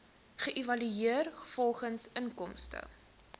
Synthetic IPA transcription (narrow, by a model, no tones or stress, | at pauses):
χəʔivɐlyiərχə̥fɔlˠχənsənkɔmstə̰